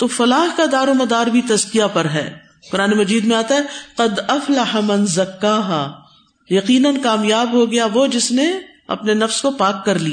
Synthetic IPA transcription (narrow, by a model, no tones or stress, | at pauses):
t̪oːfɐlaːɦkad̪aːɾomɐd̪aːɾbʱit̪ɐzkijapɐɾɦɛ̰ː | qʊɾaːnemɐd͡ʒiːd̪mẽaːt̪aɦɛqɐd̪ɐflɐħamɐ̃nzɐkːaːɦa | jɐqiːnənkaːmjaːbɦoɡɐjaʋod͡ʒɪsne | ɐ̰pnenɐfskopaːkːɐɾlia